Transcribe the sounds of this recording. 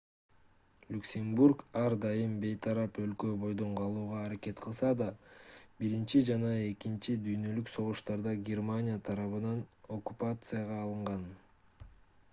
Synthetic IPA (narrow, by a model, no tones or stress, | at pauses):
lʲuksʲe̞mburkɑɾd̪ɑjɯmbe̞jt̪ʰɑɾɑpø̞lkø̞bo̞jd̪o̞ɴqʰɑlˠuːʁɑːɾake̞t̪qʰɯlˠsɑd̪ɑbiɾint͡ʃid͡ʒɑnɑe̞kint͡ʃid̪yjnø̞lykso̞ʁuʃt̪ɑɾd̪ɑɡʲe̞rmanʲijat̪ʰɑɾɑβɯnɑno̞kːupat̪sɨjɑʁɑːlˠɯɴʁɑn